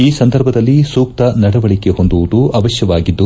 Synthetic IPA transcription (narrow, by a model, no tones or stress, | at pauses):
iːsɐnd̪ʱɐɾbʱɐd̪ɐlːisuːk̚t̪ɐnɐɽɐʋɐɭikeɦo̞nd̪uʋud̪uɐʋɐʃjɐʋaːɡid̪ːu